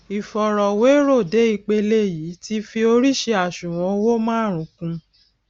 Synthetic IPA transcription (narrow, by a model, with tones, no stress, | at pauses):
i˨fɔ˨ɾɔ˨we˨˦ɾo˦˨de˨˦i˧k͡pe˧le˦˨jiː˨˦ti˦fi˧o˧ɾi˦ʃe˧a˦˨ʃũ˨w̃ɔ̃˨˧˦wo˦mãː˦˨ɾ̃ũ˨˦kũ˧